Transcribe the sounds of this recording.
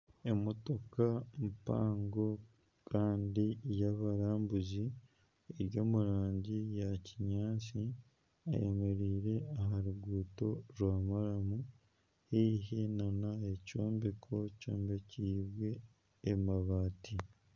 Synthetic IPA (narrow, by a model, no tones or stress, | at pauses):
e̞mo̞to̞kampa̰ːŋɡo̞ | kʰaːndijaβaɾaːmbuzi | eɾjoːmuɾaːɲɟijaciɲaːt͡si | a̰jeme̞ɾiːɾe̞aɦaɾuɡuːto̞ɾwaːmaɾamu | hiɦinanae̞co̞ːmbekʰo̞co̰ːmbeciːβwe̞ː | maβaːti